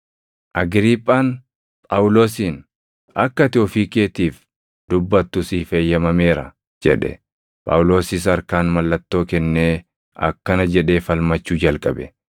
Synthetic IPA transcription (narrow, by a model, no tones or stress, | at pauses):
ʔɐɡɾiːpʼːaːn | pʼɐwʊlo̞ːsiːn | ʔɐkːɐt̪ɪɔfiːkeːt̪iːf | d̪̥ʊbːɐt̪ːʊsiːfejːɐmɐme̞ːɾɐ̰ | d͡ʒɛ̰ᶑɛ̰ | pʼɐ̰wʊlo̞ːsɪs̬ɐɾkaːnmɐlːɐt̪ːo̞ːkɛnːeː | ɐ̰kːɐnɐd͡ʒɛᶑe̞ːfɐlmɐt͡ʃːuːd͡ʒɐlkʼɐbɛ